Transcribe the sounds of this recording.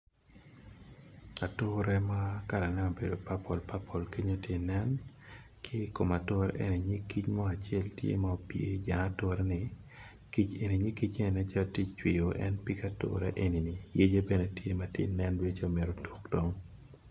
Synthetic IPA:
a˨tʊɾɛ˦ma˦ka˨ɾa˨nɛ˦o˨be˨do˨pa˦pɔ˨lpa˦pʰɔ˨lke˦ɲo˦tje˦nɛ˦n | kʰɪ˦ko˨ma˨tʊ˦ɾɛ̰˦ʔe˦ni˨ɲi˦kːi˦t͡ʃmɔ˦a˨t͡ʃɪɛ˦ltjḛ˦ma˦o˨pje˨d͡ʒa˨a˦to˦ɾɛ˦nɪ˨ | ki˦t͡ʃe˨ni˨ɲi˦ki˦t͡ʃe˦˨nɛ˦t͡ʃa˦lti˦t͡ʃwi˨jo˨ʔɛ̰˦npi˦ka˦tʊ̰ɾɛ̰˦ʔe˦ni˨ni˨je˦d͡ʒe˦bɛ˦nɛ˦tje˦ma˦tjḛ˦nɛ˦ndwe˦t͡ʃe˦o˨mɪ˨ɾo˨tu̥˨kd̥o˦ŋ

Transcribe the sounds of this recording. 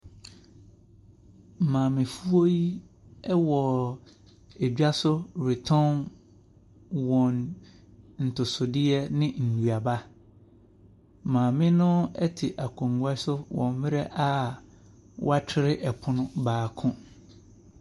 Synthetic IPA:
mãː˨mɪ̃˨fu˦o˦ji˦ | ɛ˦wɔ˨ | e˨d͡ʑᶣa˦sʊ˦ɾɪ˨tʰɔ̃˦n | wɔ̃˨n | n̩˨tʰʊ˨sʊ˨dɪ˦ɛ˦nɪ̃˦n̩˨du˨a˨ba˦ | mãː˨mɪ̃˦nʊ̃˦ɛ˦tʰɪ˨ʔa˨kʰũ˨ŋ˨ɡa˦sʊ˦wɔ̰̃˨m˦mɪ̃˦ɾɛ˦ʔa˦ | wʔɔ̰˦a˦tʰɪ˦ɾɪ˦ʔɛ˨pʰʊ˦nʊ̃˦baː˨kʰʊ̃˦

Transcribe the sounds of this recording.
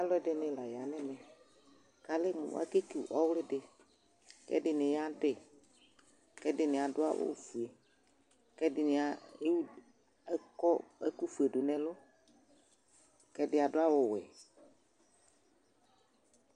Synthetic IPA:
a˦lʊ˦ɛ˦˨dɪ˨nɪ˨la˨ja˨nɪ̃˦nɛ̃˨ | ka˨lɪ˦mʊ̰˨a̰˦ke˦ki˨ʔɔ˦wlɪ˦dɪ˨ | kɛ̰˦dɪ˨nɪ˨ja˦dɪ˨ | kɛ˦dɪ˨nɪ̃˨a˨dʊ˦a̰˦wʔʊ̰˦˨fu˨e˨ | kɛ˦dɪ˨nɪ˨a˨e˦wu˦ | kɔ˦ɛ˦ku˦fu˨e˨dʊ˨nɛ̃˨lʊ˦ | kɛ˦dɪ˦a˨dʊ˦a˦wʊ˨wɛ̰˨

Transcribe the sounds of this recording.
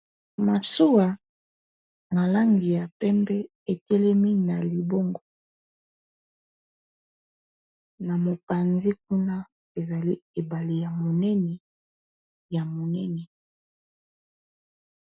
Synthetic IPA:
ma˨su˦wa˨ | na˨la˦ŋɡi˨ja˨pɛ˦mbɛ˦ | e˨tɛ˦lɛ˦mi˦na˨li˨bo˦ŋɡo˦ | na˨mo˨pa˨nzi˦k̚u˦na˦ | e˨za˨li˦e˨ba˨li˨ja˨mo˨nɛ˦nɛ˨ | ja˨mo˨nɛ˦nɛ˨

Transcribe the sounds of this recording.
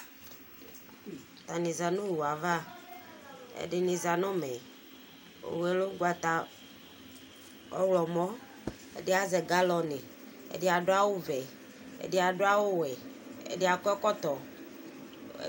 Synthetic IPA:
t̪a˨nĩ˨za˨nõ˦wu˨a˨va˦ | ḛ˦ɖe˨nĩ˨za˨nɔ̃˦mɛ˨ | o̰˨wɛ˨lo˦ɡwa˨t̪a˨ | ɔ̰˦wlɔ˨mɔ̃˦ | ḛ˦de˦a˨zɛ˨ɡa˦lɔ˨ne˨ | ḛ˨de˦a˨ɖo˦a˦wo˦vɛ˨ | ḛ˨de˦a˨ɖo˦a˦wo˦wɛ˨ḛ˨de˦a˨kɔ˦ɛ˦kɔ˦t̪ɔ˨˦

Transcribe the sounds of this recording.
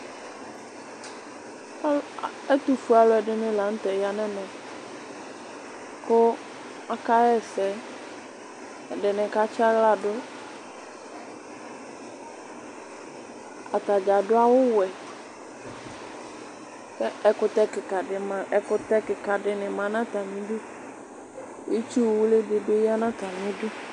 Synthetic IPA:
ɛ˦t̪u˨fu˦a˨lʊ˨˦ɛ˨dɪ˦nɪ̃˦la˨˦n̩˦t̪ɛ˨ja˦nɛ̃˦mɛ̃˨ | kʊ˦ | a˦ka˦ɛ˦˨sɛ˨ | ɛ˨dɪ˨nɪ̃˨ka˦t͡ʃa˦ɣla˨dʊ˦ | a˨t̪a˨d͡ʒa˨ɖʊ˦a˦wʊ˦wɛ˨ | kɛ˦ɛ˨kʊ˦t̪ɛ˦kɪ˨ka˨ɪ˨ma˨ɛ˨kʊ˦t̪ɛ˦kɪ˨ka˨ɖɪ˨nɪ̃˨mã˨nã˦t̪a˨mĩ˦ɖu˦ | e˦t͡ʃu˦wwu˦le˦be˨be˦ja˦nã˦t̪a˨mĩ˦du˦

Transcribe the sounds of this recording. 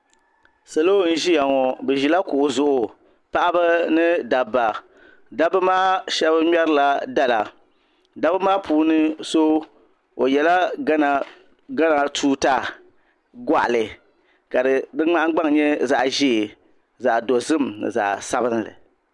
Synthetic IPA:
sa˨lo˦n̩˦ʒi˦ja˨ŋɔ˨bɛ˨ʒi˨la˦kʊ˨ʔʊ˨zʊ˨ʔʊ˨ | pa˦ʔa˦ba˦nɨ˦da˨ba˨ | da˦bɨ˦maː˦ʃɛ˦bɨ˦ɲɛ˦ɾɨ˦la˨da˦la˨ | da˦bɨ˦maː˦pʰuː˦nɨ˦so˦ | o˨jɛ˨la˦a˦na˨ | ɡa˦na˨tʰuː˦ta˦ | ɡa̰˦˨ʔa̰˨lɨ˨ | ka˨dɨ˨dɨ˦ŋ͡ma˦ʔa˦ɡ͡ba˦ŋ˨ɲɛ˦za˨ʔʒiː˦˨ | za˨ʔdo˨zɨ˦˨mnɨ̰˨za̰˨ʔsa˦bɨ˦n˦lɨ̰˨

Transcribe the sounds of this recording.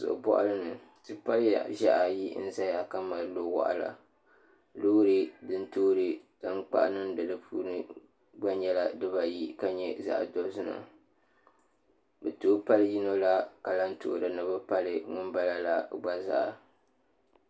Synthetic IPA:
sʊ̰˨ʔʊ̰˨bɔ̰˦ʔa̰˦lɨ˦nɨ˨ | tɨ˦pa˦lja̰˨ʒa˦ʔa˨ji˦n̩˦za˦ja˨ka˦ma˨˦lo˦wa̰˨ʔa̰˨la̰˨ | lo˦ɾɨ˦dɨ˦ntoː˦ɾɨ˦ta˦ŋ͡mk͡pa̰˦ʔnɨ˦mdɨ˨dɨ˦pʰuː˦nɨ˦ | ɡ͡ba˦ɲɛ˦la˦dɨ˦βa˨ji˦ka˦ɲɛ˦za̰˦˨ʔdo˦zɨ˦na̰˨ | bɛ˨toː˦pa˦lɨ˦ji˦no˦la˦ka˨la˦ntʊ̰˦ʔdɨ˨nɨ˨bɨ˦pa˦lɨ˦ŋʊ˦mba˦la˦la˦ɡ͡ba˦za̰˦ʔa˨

